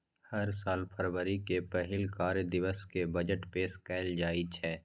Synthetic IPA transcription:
hɐɾsaːlpʰəɾwəɾikepɛɦɪlkaːɾəd̪ɪʋəskebəd͡ʒəʈpeːskɛːld͡ʒaːit͡ʃʰɛː

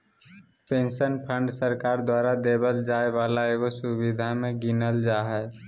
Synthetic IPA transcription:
pẽːnsənpʰə̃ɳɖsəɾkaːɾd̪waːɾad̪ebəld͡ʒaːeʋaːlaeːɡosubid̪ʱamẽɡinəld͡ʒaːɦɛ

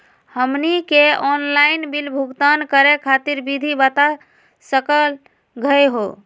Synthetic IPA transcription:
həmnikeɔnlainbilbʱuɡt̪ankəɾekʰat̪iɾbid̪ʱibət̪a | səkəl | ɡʱəjɦo

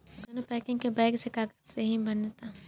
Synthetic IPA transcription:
ɡonopɛːkɪ̃ŋɡkebɛːɪɡsekaːkseɦibɐnet̪a

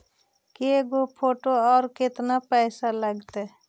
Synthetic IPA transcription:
keɡopʰoːʈoɔːɾkɪt̪napɛːsaləɡt̪e

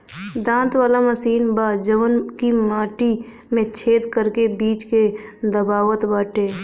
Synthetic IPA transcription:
d̪ãːnt̪waːlaməsiːnbaːd͡ʒəʋənkimaːʈi | mẽt͡ʃʰeːd̪kəɾkebiːt͡ʃked̪əbaːwət̪baːʈeː

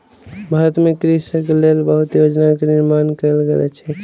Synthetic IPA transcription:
bʱaɦɾət̪mekɾisəkelelbəɦut̪jod͡ʒnakeniɾmankəlɡelɛ̰t͡ʃʰɛ

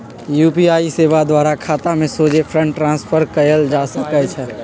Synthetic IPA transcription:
juːpiaːiseːʋad̪waːɾakʰaːt̪amẽsoːd͡ʒepʰɾə̃ɳʈːɾãːnspʰəɾkɐjəld͡ʒaːsəkət͡ʃʰɛ

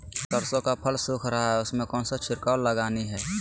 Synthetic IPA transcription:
kəɾsõkapʰəlsuːkʰɾəɦaɦɛʊsmẽkɔːnsat͡ʃʰɪɾkaːlːəɡaːniɦɛː

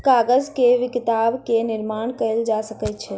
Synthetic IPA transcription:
kaɡəd͡ʒkeʋikit̪abkeniɾmaɳkəɪld͡ʒasəkɛjt̪̚t͡ʃʰɛ

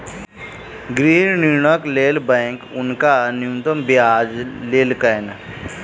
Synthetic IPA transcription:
ɡɾiːnnɪɾɳəkleːlbɛ̃ːŋkʊnkanɪjumt̪əmbjaːd͡ʒleːlkəjn

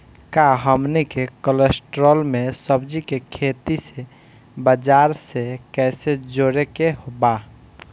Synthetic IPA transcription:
kaɦəmnikekəlesʈɾəlmesəbd͡ʒikekʰet̪ise | bəd͡ʒaɾsekɛsed͡ʒoɽekeɦoba

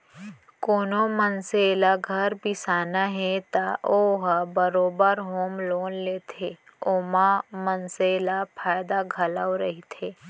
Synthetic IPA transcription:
koːnomənselaɡʱəɾbisaːnaɦɛt̪aʔoɦbəɾoːbəɾɦoːmloːnleːt̪ʰe | oːmamənseːlapʰaːjd̪aɡʱəlawɾəɦit̪ʰeː

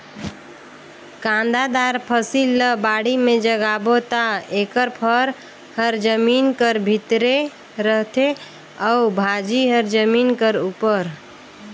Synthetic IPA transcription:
kãnd̪ad̪aɾpʰəsilːəbaɽimẽd͡ʒəɡabot̪aekəɾpʰəɾ | həɾd͡ʒəminkəɾbʱit̪ɾe | ɾəɦt̪e | ɔubʱad͡ʒiɦəɾd͡ʒəminkəɾupəɾ

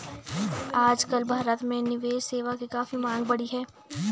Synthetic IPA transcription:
aːd͡ʒkəlbʱaːɾət̪mẽnɪʋeːʃseːʋakikaːfimãːŋɡbɐɽiɦɛː

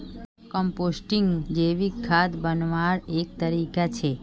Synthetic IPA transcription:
kɔmposʈiŋɡd͡ʒeʋikʰːad̪bənʋaɾek̚t̪əɾikat͡ʃʰe

